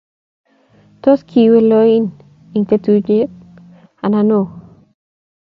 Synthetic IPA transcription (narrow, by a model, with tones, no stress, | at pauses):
tɔ˦skʰi˨we˦lɔi˦n | i˨ŋt̪e˦tu˦d͡ʒe˦k̚ | a˨nano